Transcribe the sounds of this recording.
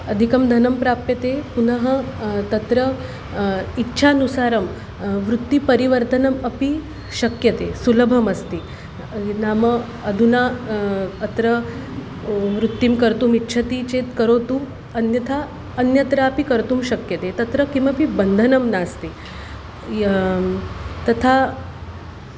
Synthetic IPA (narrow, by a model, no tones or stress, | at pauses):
ɐd̪ʱikɐmd̪ʱɐnɐmpɾaːppjɐt̪epunəɦət̪ɐt̪ɾə | itːɕʰanusaːɾɐm | ʋɾut̪ːipɐɾiʋəɾt̪ənɐmɐpi | ɕɐkjɐt̪esulɐbʱɐmɐst̪i | namə | ɐd̪ʱuna | ɐt̪ɾə | ʋɾut̪ːimkəɾt̪uːmitːɕʰət̪it͡ɕet̪kəɾot̪u | ɐnjɐt̪ʰaː | njɐt̪ɾapikəɾt̪uːmɕɐkjɐt̪et̪ɐt̪ɾəkĩmʋapibənd̪ʱənɐmnast̪i | t̪ɐt̪ʰa